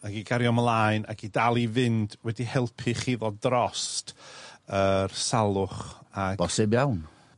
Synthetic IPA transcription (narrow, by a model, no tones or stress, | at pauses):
aɡiɡaɾjɔməlˠaɨnʔa̰ɡidalˠivɪndwɛdihɛlˠpʰɨχiðɔdrɔstərsalˠʊχabɔsɪbjawn